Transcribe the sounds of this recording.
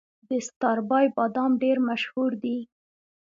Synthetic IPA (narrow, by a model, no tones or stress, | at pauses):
d̪əst̪ɑɾbɑjbɑd̪ɑmɖeɾmaʃhuɾd̪i